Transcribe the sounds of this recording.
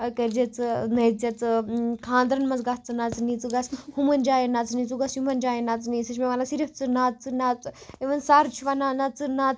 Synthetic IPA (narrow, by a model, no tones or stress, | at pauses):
kɐɾd͡ʒet͡sɨnɐjt͡sjɐt͡sɨkʰãːnd̪ɾɐnmɐnt͡sɡɐst͡sɨnat͡snit͡sɨɡɐshumɐnd͡ʒaːjenat͡snit͡suɡɐsjumɐnd͡ʒaːjenat͡sniːsɨt͡ʃʰmeʋanasiɾɐft͡sɨnaːt͡sɨnat͡seʋɐnsaːɾt͡ʃʰuʋananɐt͡sɨnaːt͡s